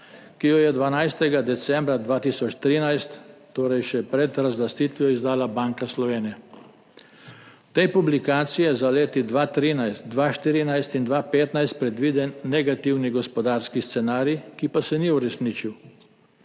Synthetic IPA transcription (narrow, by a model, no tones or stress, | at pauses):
kijɔjɛd̪ʋanajst̪ɛɡad̪ɛt̪sɛmbɾad̪ʋaːt̪isɔt͡ʃt̪ɾiːnajst̪ː | oːɾɛjʃɛpɾɛt̪ɾazlast̪iːt̪ʋijɔizd̪aːlabaŋkaslɔʋeːnijɛ | t̪ɛjpublikaːt̪sijɛzaleːt̪id̪ʋaːt̪ɾiːnajst̪d̪ʋaʃt̪iːɾinajst̪ind̪ʋapeːt̪najst̪̚pɾɛd̪ʋiːd̪ɛnːɛɡat̪iwniɡɔspɔd̪aːɾskist̪sɛnaːɾikipasɛniuɾɛsnit͡ʃiw